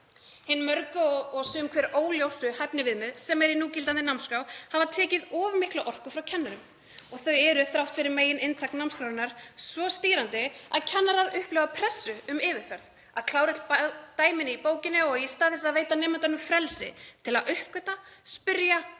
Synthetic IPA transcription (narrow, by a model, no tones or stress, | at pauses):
hɪnːmœɾkʏɔɔɣsʏmkʰvɛːɾoːwljowsʏhajpnɪvɪðmɪðsɛmɛɾinuːcɪlt̪ant̪ɪnawmskɾawhavat̪ʰɛːcɪðɔːvʏmɪhklaʔɔr̥kʏfɾawcʰɛnːaɾʏm | ɔɣθœɥɛɾʏθɾawht̪fɪɾɪɾmeːjɪnɪnt̪ʰaknawmskɾawɾɪnaɾ̥svɔst̪iːɾant̪ɪaðcʰɛnːaɾaɾʏhplœvapʰɾɛsːʏʏmɪːvɪɾ̥fɛɾð | aðkʰlaːwɾɪt̪pt̪aːjmɪnɪipoːwcɪnɪɔist̪aːðɛsaðveːjt̪anɛːmant̪anʏmfɾɛlsɪ̰t̪ʰɪlaðʏhpkœt̪aspɪɾja